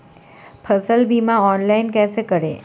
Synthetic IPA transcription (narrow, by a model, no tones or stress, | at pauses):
pʰəsəlbʱiːmãɔːnlaɪnkɛːsekəɽḛː